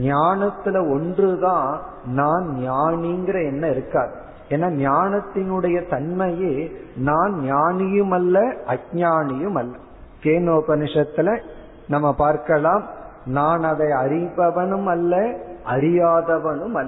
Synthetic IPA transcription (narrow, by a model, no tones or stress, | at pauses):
ɲaːnɐt̪ːɪlɐɔndrɯðãː | naːnnjaːɳiŋɡɪɾɐɛnːɐɪɾɯkːaːðɯ | ɛːnːaːnjaːnɐt̪ːɪnɯɽɐjɐt̪ɐnmɐjeːnaːnnjaːɳɪjɯmɐlːɐɐɲaːɳɪjɯmɐlːɐ | keːnoːpɐnɪʂɐt̪ːɪlɐ | nɐmːɐpaːɾkɐlaːmnaːnɐðɐɪɐɾɪʋɐʋɐɳɯmɐlːɐɐɾɪjaːðɐʋɐnɯmɐlːɐ